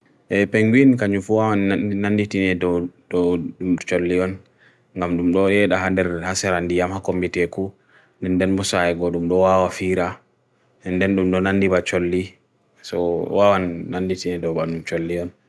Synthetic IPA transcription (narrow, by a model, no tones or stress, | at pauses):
ʔɛpɛŋɡinkaɲufuwawannanditinɛdɔɗɔɗumt͡ʃolːiɔn | ŋɡamɗumɗɔjɛɗaɦandɛɾhasɛɾandijamhakombitɛku | ndɛndɛnbɔsajɛɡɔɗumɗɔwawafiɾa | ɛndɛnɗumɗɔnandibat͡ʃolːi | sɔ̰wawanːanditinɛdɔɓaɗumt͡ʃolːiɔn